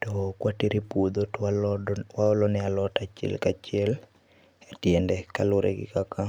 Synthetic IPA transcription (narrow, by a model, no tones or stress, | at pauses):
tɔkwatiɾipud̪o | waɔlɔnɛalɔtat͡ʃɛ̰lkat͡ʃɪɛl | etjɛndɛkalʊɾḛɡɪ̰kaka